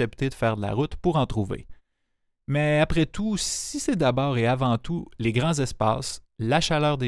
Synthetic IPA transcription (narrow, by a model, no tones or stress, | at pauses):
ɛpt̪ed̪əfɛːʁd̪əla̰ʁʊt̪puʁɑ̃t̪ʁuvḛ | mɛapʁɛt̪usisɛd̪abɑːʁeavɑ̃t̪uleɡʁɑ̃zɛspa̰ːs | laʃalœːʁd̪e